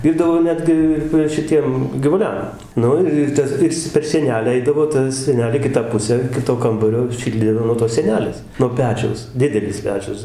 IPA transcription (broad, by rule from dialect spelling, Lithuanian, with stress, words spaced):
ˈʋʲiːrdɐʋoː ˈnʲæːdʲɡʲɪ ɪr ʋɐ ʃʲɪˈtʲiɛm ɡʲɪʋʊˈlʲɛm ˈnʊ ɪr ɪr ˈtɐs ˈɪr ɪs t͡sʲɛ pʲɛr sʲiɛˈnʲæːlʲæː ˈɛɪdɐʋoː ˈtɐ sʲiɛˈnʲæːlʲeː ˈkʲɪtɑː pʊsʲæː ˈkʲɪtoː ˈkɐmbɐrʲoː ˈʃʲɪlʲdʲeː nuɔ toːs sʲiɛˈnʲæːlʲeːs nuɔ ˈpʲæːt͡ʃʲɛʊs ˈdʲɪdʲɛlʲɪs ˈpʲæːt͡ʃʲʊs